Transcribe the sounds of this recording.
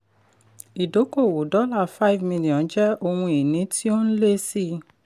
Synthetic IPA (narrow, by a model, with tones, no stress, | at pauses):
i˨do˨˦ko˦˨wo˨dɔ˦la˦˨fa˦˨vmĩ˧li˨ɔ̃˨˦d͡ʒɛ˦o˧hũ˧i˨nĩ˨˦tʰi˦o˦n̩˦le˦si˦